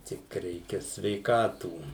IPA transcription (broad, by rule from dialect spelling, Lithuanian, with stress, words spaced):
ˈtʲɪk ˈrʲɛɪkʲɛ sʲʋʲɛɪˈkɑːtuː